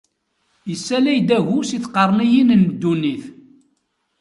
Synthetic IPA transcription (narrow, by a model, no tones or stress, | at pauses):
jəsːælæjd̪æʝusiθqɑrˤnijinnd̪ːuniθ